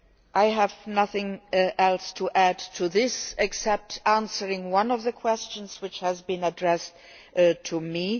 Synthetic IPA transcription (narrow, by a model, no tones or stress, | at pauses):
ʔaɪəvnʌθɪ̃ŋɛlˠstʰəʔædtʰuðɪsɛksɛp̚tæ̃nsə˞ɪ̃ŋwʌ̃nʌvðəkʰw̥ɛst͡ʃə̃nz̥wɨt͡ʃhəzbĩnədɹɛs | tʰumi